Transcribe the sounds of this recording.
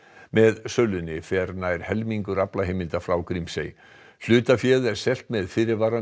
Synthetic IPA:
mɛðsœlːʏnːɪfɛɾnajɾ̥hɛlmiŋkʏɾaplaɦejmɪnt̪afɾawkɾimsḛj | l̥ʏːt̪afjɛːðɛɾ̥sɛl̥t̪mɛðfɪɾɪɾvaːɾa

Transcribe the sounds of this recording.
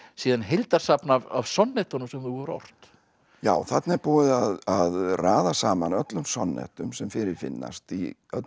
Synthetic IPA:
siːðanɦejlt̪aɾ̥sapnavavsɔnːɛht̪ɔnʏmsɛmθuɛɾɔ̰r̥t̪ | jaːwθat̪naɛɾpuːðaðaðraːðasaːmanœt̪lʏmsɔnːɛ̰ht̪ʏmsɛmfɪɾɪɾfɪ̰nːa̰st̪iœt̪

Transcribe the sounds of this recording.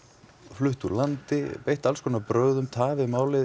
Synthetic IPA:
flʏht̪ulant̪ɪpejht̪alskʰɔːnapɾœːɥðʏmt̪ʰaːvɪmaːwlɪ

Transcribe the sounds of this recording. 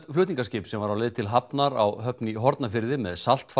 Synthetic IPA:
t̪flʏht̪iŋkascɪːpsɛmvaɾawlɛːðt̪ʰɪlɦapnaɾawɦœpniɦɔɾt̪nafɪɾðɪmɛðsal̥t̪f

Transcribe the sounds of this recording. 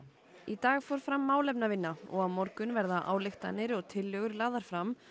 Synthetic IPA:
it̪aːɣfɔɾ̥fɾamːaːwlɛp̚navɪnːaɔ̰ɣaðmɔɾkʏnvɛɾðaʔa̰ːwlɪxt̪anːɪɾɔɣt̪ʰɪlːœɣʏɾlaːðaɾ̥fɾam

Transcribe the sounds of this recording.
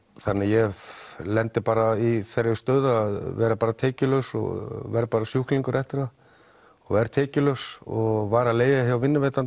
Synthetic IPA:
θanːɪjɛlɛnt̪ɪpaːɾaiθɛɾjʏst̪œːðʏaðvɛːɾapaːɾat̪ʰɛːcɪlœwsɔ̰ɣvɛɾpaːɾasjuhkliŋkʏɾɛht̪ɪɾ̥a | ɔɣvɛɾat̪ʰɛːcɪlœsɔ̰ɣvaːɾaleːjðaçjawvɪnːʏveːt̪an

